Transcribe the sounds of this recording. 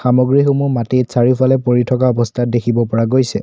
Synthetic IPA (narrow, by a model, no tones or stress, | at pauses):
xamɔɡɹixumumatejtsaɹipʰalɛpoɹitʰɔk̬aɔbɔstʰat̚dekʰibɔpɔɹaɡojsɛ